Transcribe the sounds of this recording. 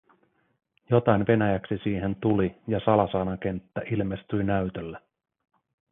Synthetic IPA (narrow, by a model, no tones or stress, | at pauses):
jo̞t̪ɑjnʋe̞næjæksisiːɦe̞nt̪ulijɑsɑlɑsɑːnɑk̟e̞nt̪ːæʔilme̞st̪yjnæyt̪ølːæ